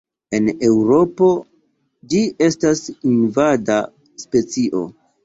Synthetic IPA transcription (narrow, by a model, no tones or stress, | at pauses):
e̞ne̞wɾo̞po̞ | d͡ʒie̞stasinvada | spe̞t͡siʔo̞̰